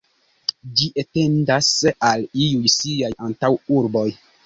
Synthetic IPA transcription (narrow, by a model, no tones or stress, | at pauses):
d͡ʒiʔete̞ndasaliujsiajantawuɾbo̞j